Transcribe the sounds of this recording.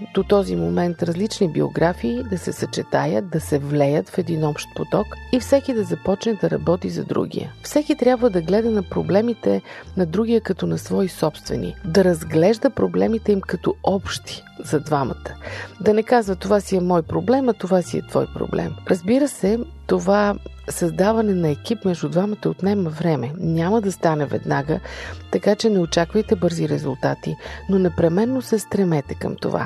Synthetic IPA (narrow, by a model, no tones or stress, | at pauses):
d̪ot̪ɔzimomɛnt̪ɾɐzlit͡ʃnibio̰ɡɾafiːd̪ɐsɛsɐt͡ʃɛt̪ajət̪̚d̪ɐsɛvlɛjət̪fɛd̪inɔpʃt̪̚pot̪ɔkifsɛkid̪ɐzɐpɔt͡ʃnɛd̪ɐɾɐ̰bɔt̪izɐ̰d̪ɾṵɡʲḭjə̰fsɛkit̪ɾʲjabvəd̪ɐɡlɛd̪ɐnɐpɾoblɛmit̪ɛnɐd̪ɾuɡ̟ijəkɐt̪ɔnɐsvɔisɔpst̪vɛ̰nḭd̪ɐɾɐzɡlɛʒd̪əpɾoblɛmit̪ɛimkɐt̪ɔɔpʃt̪i̥ | zɐd̪vamɐ̰t̪ə̥d̪ɐnɛkazvɐt̪ovasiɛmɔjpɾoblɛmɐt̪ovasiɛ̰t̪vɔ̰jpɾo̰blɛ̰mɾəzbiɾəsɛ | t̪ova | sɐzd̪avɐnɛnɐɛk̟ipmɛʒd̪ud̪vamɐt̪əot̪nɛmɐvɾɛmɛnʲaməd̪ɐst̪anɛvɛ̰d̪naɡət̪ɐkat͡ʃɛnɛot͡ʃakvəjt̪ɛbɤɾziɾɛzulˠt̪at̪inonɛpɾɛmɛnːosɛst̪ɾɛmɛt̪ɛkə̰mt̪o̰va̰